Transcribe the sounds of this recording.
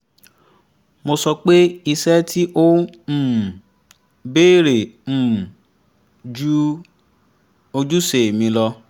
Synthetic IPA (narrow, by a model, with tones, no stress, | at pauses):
mo˧sɔ˧k͡pe˦i˧sɛ˦tʰi˦ʔõ˦˨ | beː˦˨ɾe˨m̩˦˨ | d͡ʒu˦ | o˧d͡ʒu˦se˨mĩ˧˦lɔ˧